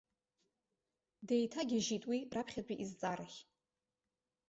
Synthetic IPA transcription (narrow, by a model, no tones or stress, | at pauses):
dejtʰaɡʲiʒitʼwirapʰχʲad͡ʒʼiʔizt͡sʼaɾɨχʲ